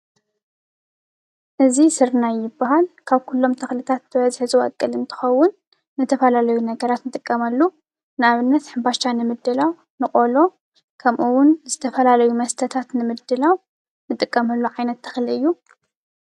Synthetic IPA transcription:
ʔɨzisɨɾnajːɪbːaɦalkʰaβkʰulːo̞mt̪ʰɐxlɨt̪ʰat̪̚bʰɨβɐzħɨzɨwɐ̰kʼːɨlɨnt̪ʰɨ̥xɐwːʊnː | ɨt̪ʰɐfɐlalɐjunɐɡɐɾat̪nɨt̪ʼɨkʼːɐmɐlːu | nɨaβɨnːɐt̪ħɨmbaʃt̪ʰanɨmɨd̪ːɨlaw | nɨkʼolo̞ | kʰɐmʔuwʊnzɨt̪ʰɐfɐlalɐjumɐst̪ʰɐt̪ʰat̪nɨmɨd̪ːɨlaw | nɨt̪ʼɨkʼːɐmɐlːuʕajnɐt̪ːʰɐ̥xliɨjːu

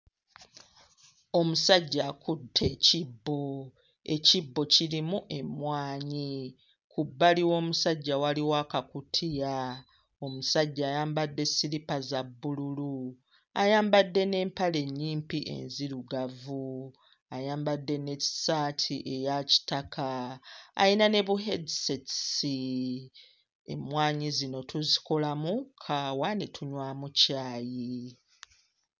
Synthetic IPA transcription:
o̞musaɟːakutʰːe̞cibːo̞ | e̞̰cibːo̞cilimuʔe̞mwaːɲi | kʰubːaliwo̞ːmusaɟːawaliwakakutʰija | o̞musaɟːaːjaːmbadːe̞siɾipazabːululu | a̰jaːmbadːe̞ne̞ːmpale̞ɲːiːmpiʔe̞̰nziɾuɡavu | ajaːmbadːe̞ne̞ci̥saːtʰiʔe̞jaci̥takʰa̰ː | inane̞βuɦedisetsi | e̞̰mwaːɲizino̞tʰuziko̞lamukʰawanetʰuɲwaːmucaːji

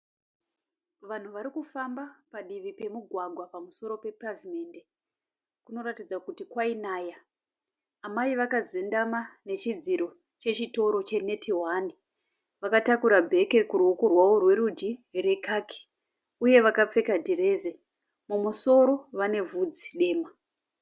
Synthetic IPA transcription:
ʋan̤uʋaɾikufambapaɗiʋipe̞muɡʱwaɡʱwapamuso̞ɾo̞pe̞pravime̞nde̞ | kuno̞ɾatid͡zakutikwainaːjaː | maiʋakazendamane̞t͡ʃid͡ziɾo̞ | t͡ʃe̞t͡ʃito̞ɾo̞t͡ʃe̞ne̞tʰiɦwani | ʋakatakuɾabʱe̞ke̞kuruukurwaworwe̞ɾud͡ʒire̞kakʰi̥ | uje̞ʋakap͡fe̞kadʱire̞ze | mumuso̞ɾo̞ʋane̞vud͡zi̥ɗe̞ːma

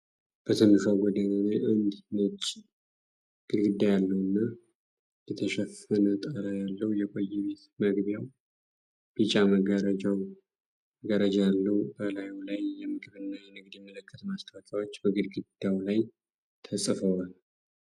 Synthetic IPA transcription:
b̥ət̪ʰɨmːɨʃawɡɔd̪əɲanajʔɨnd̪nɨt͡ʃːʼ | ɡ̥ɨd̪ɡɨd̪ːajalːəwɨnːa | jɛt̪ʰəʃɛfənət̪ʼəɾəjalːəwjɛkʼojːɛβe̞t̪məɡβjaw | b̥ɨt͡ʃʼaməɡəɾəd͡ʒaw | ɡəɾəd͡ʒajalːəwbəlajulajːɛmɨɡβɨnːajɛnɨɡd̪jɛmːələkʰːət̪mast̪ʰəawak̪ʰawot͡ʃːbəɡɨd̪ɡɨd̪̥ːawlaj | t̪ʰəsʼfəwal

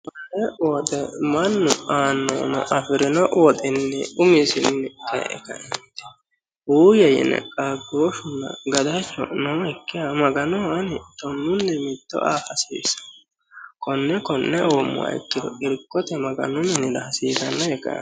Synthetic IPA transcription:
mɐnːɛwɔt̪ʼɛmɐnːʊaːnːɔ̰nɔ̰ʔɐfɪɾɪnɔʔwɔt̪ʼɪnːɛʊmɪsɪnːɛt̪ɛ̰ʔɛ̰kɐ̰nɛt̪ɛ | uːjɛjɪ̰nɛ̰kʼaɡoːʃʊnːɐ̰ɡɐd̪ɐt͡ʃːɔ̰nɔːhɛkːɪjamɐɡɐnɔɐnɪt̪ɔnːʊnːɛmɪt̪ːɔ̰ʔaːfɐsḭːsɐ̥ | kʰɔnːɛkɔnːɛʔoːmːʊ̰a̰ɪ̰kːɪd̪ɔʔɪɾɪkːɔt̪ɛmɐɡɐ̰nʊmɪnɪd̪ɐhɐsiːɡɐnːɐɛkɐ̰ɐ̰

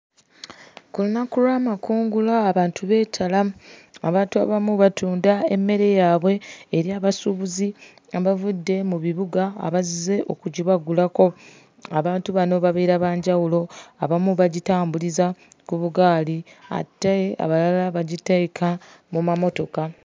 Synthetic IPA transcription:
kulunakuɾwamakuːŋɡulaːβaːntʰuβe̞ːtʰalaaβaːntua̰βamuβatʰuːndae̞mːe̞ɾe̞jaːβwe̞ːɾjaːβasuβuzi | aβavudːe̞muβiβuɡa̰ːβazize̞ʔo̞̰kuɟiβaɡulako̞ | aβaːntuβano̞βaβeɾaβaːɲɟawulo̞aβamuβaɟitaːmbuliza | kuβuɡaːlia̰tːea̰βalalaβaɟitekʰa | mumamo̞to̞ka

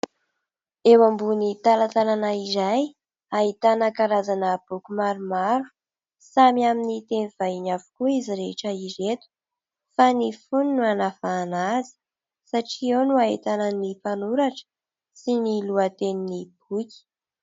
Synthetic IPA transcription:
ewambunit̪alat̪alanaizaj | aɦit̪anəkaɾazanəb̥ukumaɾumaɾu̥ | samiaminit̪eniv̥aiɲavu̥kuiziɾeʈ͡ʂəizet̪u̥ | fanifuninuanafaːnazə̥ | saʈ͡ʂienuaɦet̪ananipanuɾaʈ͡ʂə̥ | siniluat̪eninib̥uki̥

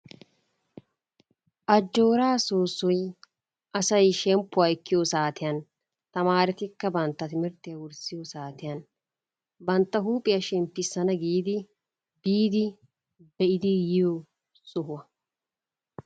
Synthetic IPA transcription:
ʔɐd͡ʒːo̞ːɾaːsoːsːɔj | ʔɐsɐjʃɛmpːʊɐɪkːɪjosaːt̪ɪjɐn | t̪ɐmaːɾɪt̪ɪkːɐbɐnt̪ːɐt̪ɪmɪɾt̪ːɪjɐwʊɾsɪjɔsaːt̪ɪjɐn | bɐnt̪ːɐɦuːpʼːɪjɐʃɛmpːɪsːɐnɐɡiːd̪ɪ | biːd̪ɪ | bɛʔɪd̪ɪjɪjo | sʊɦʊɐ

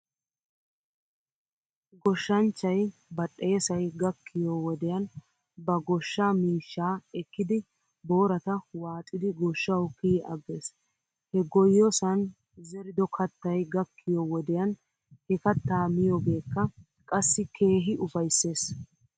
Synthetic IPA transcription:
ɡɔʃːɐnt͡ʃːɐjbɐɗʼːɛjɛsɐjɡɐkʰːɪjɔwɔd̪ɛjɐn | bɐɡɔʃːaːmiːʃːaːɛkːɪd̪ɪ | boːɾɐt̪ɐwaːt̪ʼɪd̪ɪɡɔʃːɐwkiːʔɐ̰ɡːeːs | hɛɡɔjːɔsɐn | zɛɾɪd̪ɔkʰɐt̪ːɐjɡɐkːɪjɔwɔd̪ɛjɐn | hɛkɐt̪ːaːmɪjɔbe̞ːkːɐ | kʼɐsːɪkʰe̞ːɦɪʔʊfɐjsːe̞ːs

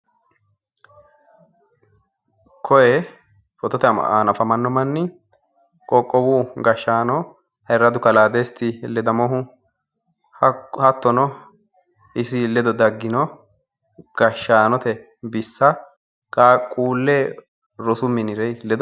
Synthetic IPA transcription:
kʰɔjɛ | fɔt̪ɔt̪ɛa̰nɐfɐmɐnːɔmɐnːɪ | kʼɔkʼːɔbuːɡɐʃːaːnɔ | ɐɛɾːɐd̪ʊkɐlaːd̪est̪ːɪlɛd̪ɐmɔɦʊ | hɐt̪ːɔnɔ | ɪsɪlɛd̪ɔd̪ɐɡːɪnɔ | ɡ̥ɐʃːaːnɔt̪ɛ | bɪsːɐ | kʼaːkʼuːlːeː | ɾɔsʊmːɪnɪɾɛjlɛd̪ɔ

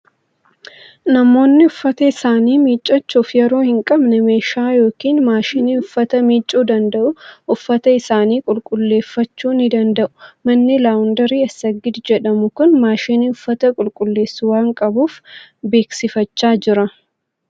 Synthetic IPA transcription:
nɐmo̞ːnːɪʊfːɐt̪ɐɪsaːniːmiːt͡ʃʼːɐt͡ʃːuːfjɛɾo̞ːhɪŋkʼɐbnɛme̞ːʃaːjo̞ːkiːnmaːʃiːniʊfːɐt̪ɐmiːt͡ʃʼːuːd̪ɐnd̪ɐʔʊʔʊfːɐt̪ɐɪsaːniːkʼʊlkʼʊlːe̞ːfːɐt͡ʃːuːnɪd̪ɐnd̪ɐʔʊ̥mɐnːɪlaːwʊnd̪ɐɾiːɐsːɐɡːɪd̪d͡ʒɛᶑɐmʊkʊnmaːʃinɪʊfːɐt̪ɐkʼʊlkʼʊlːe̞ːsːʊwaːŋkʼɐbuːfbe̞ːksɪfɐt͡ʃːaːd͡ʒɪɾɐ

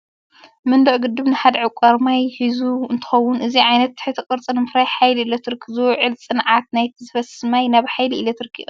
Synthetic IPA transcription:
mɨnd̪uʕɡɨd̪ːɨβnɨħad̪ʕɨkʷʼaɾmajhizuɨ̰nt̪ʰɨ̥xɐwːʊnʔɨziʕajnɐt̪ːɨħɨt̪ʰɨkʼɨɾt͡sʼɨnɨmɨfɾajħajliilot̪ʰɾɨkʰːɨzɨwʕɨlsʼɨnʕat̪najt̪ʰizɨfɐsɨmajnaβħajliilɐt̪ʰɨɾɨkʰːḭʔʼu

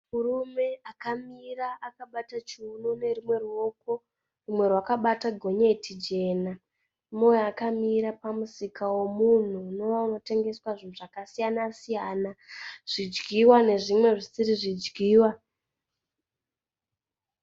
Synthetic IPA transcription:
murume̞akamiraʔakaɓatat͡ʃinone̞rimwe̞rwo̞k̚o | rimwe̞rwakaɓataɡʱo̞ɲetʰid͡ʒe̞ːna | mojakamiɾapamusikawo̞mun̤unoano̞te̞ŋɡe̞swaʐin̤uʐakasijanasijaːnaʐ̥id͡ʒɡiwane̞ʐimwe̞ʐisiɾiʐid͡ʒɡiːwa

